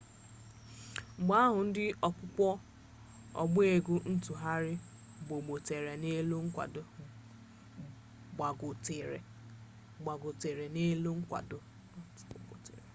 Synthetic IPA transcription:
ŋ͡m̩˨ɡ͡ba˦ɦʊ˨n̩˦dɪ˦ɔ˨kʷʊ˦kʷɔ˦ | ɔ̰˨ɡ͡be˨ɡu˦n̩˦tu˨ɦa˦ɾɪ˦ | bo˨ɡ͡bo˨te˨ɾe˨ne˦lu˦ŋ̩˦kʷa̰˨d | ɡ͡ba˨ɡo˨te˨ɾe˨ | ɡ͡ba˨ɡo˨te˨ɾe˨ne˦lu˦ŋ̩˦kʷa̰˨dʊ˨˦˨ | o̰˨tḛ˨ɾe˨

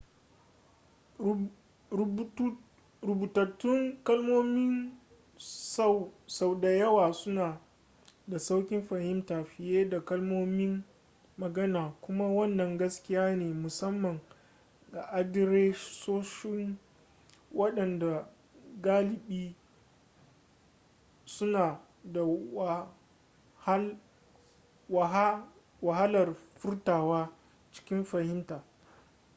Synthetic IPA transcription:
ɾʊ˨buː˨tɐ˨tːʊ˦ŋkɐ˦lmoː˦mɪ˦ŋ | swsa˨wda˨jɐ˦waː˨sʊ˦naː˨ | da˨sa˦wkʲɪ˦mɸa˨hɪ˦mtaː˨ɸɪ˨jeː˦da˨kɐ˦lmoː˦mɪ˦mː | ɐ˨ɡɐ˦naː˨kʷʊ˦ma˦wɐ˦nːɐ˨ŋɡɐ˦skʲɪ˦jaː˦neː˨mʊ˨sɐ˦mːɐ˨ŋ | ɡa˨ʔa˦dɪ˦ɾeː˦soː˦ʃɪ˦ŋ | wɐ˦ɗɐ˨nda˨ | ɡaː˦lɪ˨ɓiː˦ | sʊ˦naː˨ | da˨w | h | wa˨ɦ | wa˨ɦa˦lɐ˨rɸʊ˦rtaː˨waː˦ | t͡ʃɪ̥˦kʲɪ˦mɸɐ˨hɪ˦mtaː˨

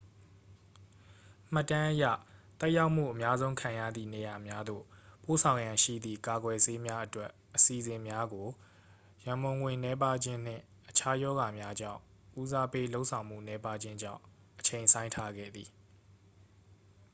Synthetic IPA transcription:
m̥a˦˨tːã˦ʔəja̰˦˨t̪ɛ˦ʔja˦ʊʔm̥ṵ˦˨ʔəmja˦zõ˦ʊ̃kʰã˨jä̰˦˨d̪ðḭ˦˨ne˨ja˨mja˦d̪o̰˦˨po˦˨sʰã˨ʊ̃jã˨ʃḭ˦˨d̪ðḭ˦˨ka˨ɡwɛ˨se˦mja˦ʔətwɛ˦ | ʔəsi˨zɪ̃˨mja˦ɡo˨ | jã˨mbõ˨ʊ̃ŋwɪ̃˨nɛ˦pa˦d͡ʑɪ̃˦n̥ɪ̰̃˦˨ | ʔət͡ɕʰa˦jɔ˦ɣa˨mja˦d͡ʑã̰˦˨ʊ̃ | ʔu˦za˦pe˦lo˦ʊʔsʰã˨ʊ̃m̥ṵ˦˨nɛ˦pa˦d͡ʑɪ̃˦ɲd͡ʑã̰˦˨ʊ̃ | ʔət͡ɕʰẽ˨ɪ̃sʰã˦ɪ̃ntʰa˦ɡɛ̰˦˨d̪ði˨

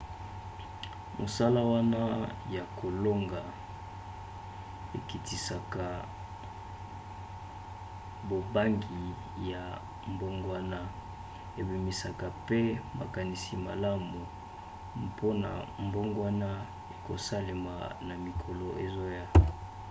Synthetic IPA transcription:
mo̰˨sa˦la˦wa˦na˦ja˨kʰo˨lo˦ŋɡa˨ | e˨ki˨ti˨sa˨ka˨ | bo˨ba˦ŋɡi˨ | ja˨ | mbo˦ŋɡwa˦na˦ | e˨bi˨mi˨sa˨ka˨pe˦ma̰˨ka˨ni˨si˨ma̰˨la˦mu˨ | pʰo˦na̰˨mbo˦ŋɡwa˦na˦ | e˨ko˨sa˦le˨ma̰˨na˨mi˨kʰo˨lo˨ʔe˨zo˦ja˦˨

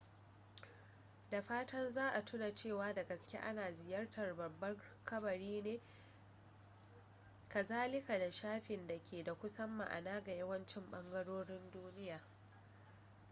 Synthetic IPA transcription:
da˨ɸaː˦tʰɐ˦nzaː˦ʔa˨tʰʊ˦na˨t͡ʃeː˦˨waː˦da˨ɡɐ˨skʲḛ˦ʔa̰˦naː˨zɪ˨jɐ˦rtʰɐ˨rbɐ˨bːɐ˦ŋkɐ˦bɐ˨ɾiː˦neː˦ | kɐ˨zaː˦lɪ˦ka˨da˨ʃaː˦ɸɪ˨nda˨kʲʰeː˨da˨kʷʊ˦sɐ˦mːa̰˨ʔa̰˨naː˦ɡa˨jɐ˦wɐ˦nt͡ʃɪ˦mɓɐ˦ŋɡɐ˦ɽoː˦ɽɪ˦nduː˦nɪ˦jaː˨

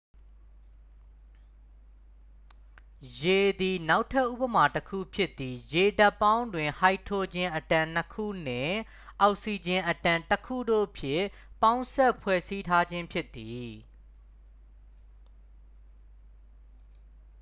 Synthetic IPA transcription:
je˨d̪i˨na˦ʊtʰːɛ˦ʔṵ˦pə˨ma˨təkʰṵ˦˨pʰjɪ˦ʔt̪ːi˨je˨da˦˨pːã˦ʊ̃ndwɪ̃˨ha˦ɪtʰo˦d͡ʑɪ̃˦ʔətã˨n̥əkʰṵ˦˨n̥ɪ̰̃˦˨ | ʔɔ˨ʊʔsi˨d͡ʑɪ̃˨ʔətã˨ntəkʰṵ˦˨do̰˦˨pʰjɪ̃˦˨ | pã˦ʊ̃nsɛ˦ʔpʰwɛ˦˨si˦tʰa˦d͡ʑɪ̃˦mpʰjɪ˦t̪ːi˨

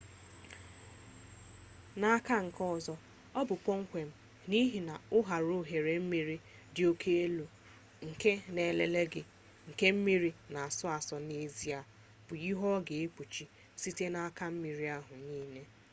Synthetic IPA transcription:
na˦a˦ka˦ŋ̩˨kɔ˦˨zɔ˦ | ɔ˦bʊ˨kʷɔ˦ŋ̩˦kʷe˨m̩˦ | ni˦ɦi˨na˨ʊ˦ɦa˨ɾo˦˨ɦe˨ɾe˨m̩˦mi˨ɾi˦ | dɪ˨o˦kʰe˦e˦lo˨ | ŋ̩˨ke˦ne˨lḛ˨le˦ɡɪ˨ | ŋ̩˨ke˦m̩˦mi˦ɾi˨na˨a˨sɔ˦a˨sɔ˨ne˦zi˦a˨ | b̥ʊ˨i˦ɦɔ˦ɡe˨e˦k͡pʷu˨t͡ʃi˦ | si˦te˦na˦ka˦m̩˦mi˨ɾi˦a˦ɦʊ˨niː˦ne˦

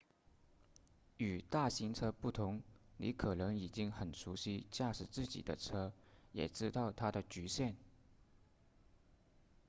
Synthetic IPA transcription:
y˨˩t̪a˥˩ɕi˧˥ŋʈ͡ʂʰɤ˥pu˥˩t̪ʰʊ˧˥ŋnḭ˧˥kʰɤ˨˩nɤ˧˥ŋi˨˩t͡ɕi˥ŋxə˨˩nʂu˧˥ɕi˥t͡ɕja˥˩ʂɻ̩˨˩t͡sɹ̩˥˩t͡ɕḭ˨˩d̪ə̰˦ʈ͡ʂʰɤ˥jɛ̰˨˩ʈ͡ʂɻ̩˥t̪ɑ˥˩ʊt̪ʰa˥d̪ə˨t͡ɕy˧˥ɕjɛ˥˩n

